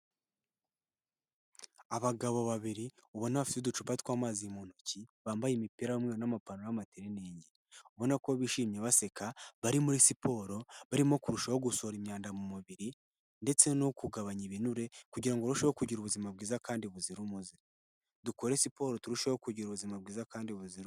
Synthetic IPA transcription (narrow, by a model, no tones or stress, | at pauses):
aβaɡaβo̞βaβiɾiuβo̞naβafi̥tedut͡ʃupatkwaːmaːzimon̥ociβaːmbajemipiɾajomŋeɾonamapanonamateɾineːɲɟe | uβo̞nako̞βiʃiːmɲeβase̞kaβaɾimuɾisipo̞ɾo̞βaɾimo̞kuɾuʃaho̞ɡuso̞ɾimɲaːndamumuβiɾi | nde̞t͡se̞no̞kuɡaβaɲiβinuɾe̞kuɟiɾaŋɡoɾuʃeokuɟiɾuβuzimab̚ɡiːzakaːndiβuziɾumuzi | duko̞ɾesipo̞ːɾo̞tuɾuʃahokuɟiɾuβuzimabɡiːzakaːndiβuziɾu